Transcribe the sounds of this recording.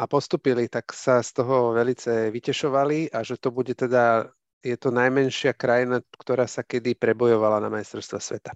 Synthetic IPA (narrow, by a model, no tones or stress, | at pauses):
ʔapɔst̪uːpilit̪aksast̪ɔɦɔʋɛlit͡sɛʋicɛʃɔʋaliaʒɛt̪ɔbuɟɛt̪ɛd̪a | jɛt̪ɔnajmɛnʃɪakɾajinakt̪ɔɾaːsakɛd̪ipɾɛbɔjɔʋalanamajst̪ɾɔɾst̪ʋasʋɛ̰t̪ḁ